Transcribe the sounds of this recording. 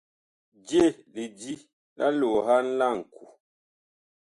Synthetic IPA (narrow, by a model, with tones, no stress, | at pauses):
d͡ʒje˦˨li˨di˦ | lʔa̰˦lo˨ɦa˦n̩˦la˦˨ŋ̩˨ku˨